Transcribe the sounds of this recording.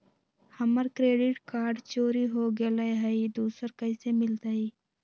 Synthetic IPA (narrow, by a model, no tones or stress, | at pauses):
hɐməɾkɾeːɖɪʈkaːɾɖt͡ʃoːɾiɦoːɡelɐjɦɐid̪uːsəɾkəɪsemɪlt̪aiː